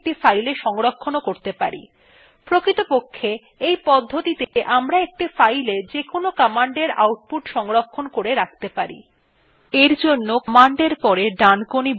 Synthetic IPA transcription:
ʈifajleʃɔŋɾokʰːonokoɾt̪epa̰ɾḭ | pɾokɾit̪opokʰːe | ejpɔd̪ʱːot̪it̪eʔamɾaek̚ʈifajled͡ʑekonokɔmaɳɖeɾa̰wʈ̚puʈʃɔŋɾokʰːonkoɾeɾak̚t̪epaɾḭ | eɾd͡ʑonːokmaɳɖeɾpɔɾeɖankonib

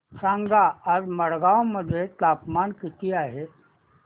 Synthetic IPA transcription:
sãŋɡaːɾməɽɡaʋwməd̪ʱːjet̪apmankit̪iaːɦe

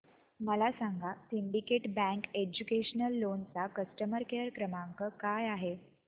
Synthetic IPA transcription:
məlasaŋɡʱasiɳɖikeʈbæ̃ŋked͡ʑukeɕənəlːont͡sakəsʈəməɾkeəɾkɾəmaŋkəkajaɦe

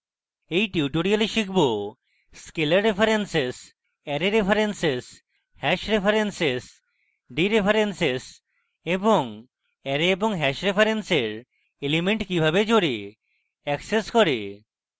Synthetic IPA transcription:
ejʈiuʈoɽialeʃikʰbo | skelaɾːepʰaɾenses | ɛɾeɾepʰaɾenses | hɛʃɾepʰaɾenses | ɖiɾepʰaɾenses | eboŋ | ɛɾeeboŋɦɛʃɾepʰaɾenseɾ | elimeɳʈkibʱabed͡ʒoɽi | ɛkseskɔɾe

